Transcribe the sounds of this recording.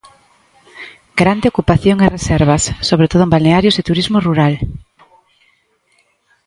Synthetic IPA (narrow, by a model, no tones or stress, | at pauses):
ɡɾand̪eokupaθjoŋeresɛɾβasːoβ̞ɾet̪oð̞ʊembalneaɾjoset̪uɾizmoruɾal